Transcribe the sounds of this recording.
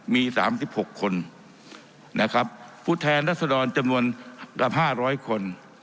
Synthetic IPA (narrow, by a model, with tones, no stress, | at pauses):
miː˧sa̰ː˩˦msi˨˩p̚ho˨˩kʰːo˧n | nʔa˦˥kʰa˦˥p̚ʰː | uː˥˩t̪ʰɛː˧nɾaː˦˥t̪̚sa˧dɔː˧nt͡ɕa˧mnu˧ənka˨˩p̚ɦaː˥˩ɾɔː˦˥jkʰo˧n